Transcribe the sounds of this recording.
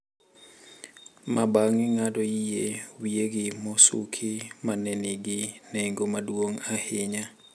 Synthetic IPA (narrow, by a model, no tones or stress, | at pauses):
mabaŋɪŋadɔjijewieɡɪmɔsṵkʰimanɛniɡɪnɛŋɡomadwoŋahɪɲa